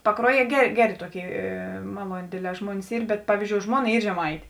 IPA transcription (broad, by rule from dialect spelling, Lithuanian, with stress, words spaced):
pɐˈkruɔˌjiɛ ˈɡʲæːˌrʲeː ˈɡʲæːˌrʲeː ˈtuɔˌkʲeːɪ eː ˈmɑːlˠuɔnʲeː ˈdʲeːdʲˌlʲɛː ˈʒmuɔnʲɪs ˈiːr bʲɛt ˈpɑːʋʲiːzʲˌd͡ʒʲoːʊ ˈʒmuɔˌnɐ ˈiː ʒʲɛˈmɐɪtʲeː